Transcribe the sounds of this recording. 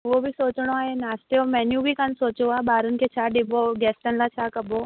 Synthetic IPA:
ʋobʱisoːt͡ʃɽ̃oaːɦenaːst̪iomɛːnjũbʱikansoːt͡ʃoaːbaːɾənɪ̆kʰet͡ʃʰaːɖɪboɡɛːsʈənlat͡ʃʰaːkɐbo

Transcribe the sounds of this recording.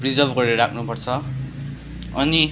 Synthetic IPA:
rid͡zʌrbɡʌɾeɾakʰnupʌrt͡sʰʌ | ʌni

